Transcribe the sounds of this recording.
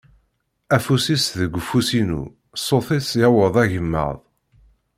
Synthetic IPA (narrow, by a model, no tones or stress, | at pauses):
æfusisðəɡʷəfːusinṵ | sˤoθisjæwəðˤæʝəmːə̰ðˤ